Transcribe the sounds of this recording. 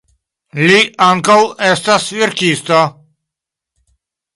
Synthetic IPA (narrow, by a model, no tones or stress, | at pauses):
liaŋkawɛst̪asviɾkist̪a